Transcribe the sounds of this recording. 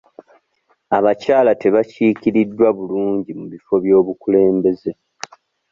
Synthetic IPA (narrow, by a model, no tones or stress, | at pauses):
aβacaːlate̞βaciːkiɾidːwaβuluːɲɟimuβifo̞βjo̞ːβukule̞ːmbe̞ze̞